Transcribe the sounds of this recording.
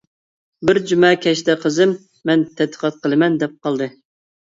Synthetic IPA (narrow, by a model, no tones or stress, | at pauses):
bɪɾd͡ʒymɛkʲʰɛʃt̪ɛqʰəzɨmː | ɛnt̪ʰɛd̪ːəqʰɑt̪̚qʰəlˠɨmɛnd̪ɛp̚qɑlˠd̪ɨ